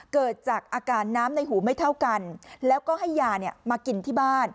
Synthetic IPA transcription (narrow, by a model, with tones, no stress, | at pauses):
kɤː˨˩t̪̚t͡ɕaː˨˩k̚ʔaː˧kaː˧nːaː˦˥mna˧jɦuː˩˦ma˥˩jt̪ʰa˥˩wka˧nlɛː˦˥wkɔː˥˩ha˥˩jːaː˧ni˥˩ɐmaː˧ki˧nt̪ʰiː˥˩baː˥˩n